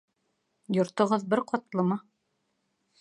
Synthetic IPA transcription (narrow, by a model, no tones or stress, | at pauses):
jŏɾt̪ŏʁɤðbɘɾqɒt̪lˠɤmɑ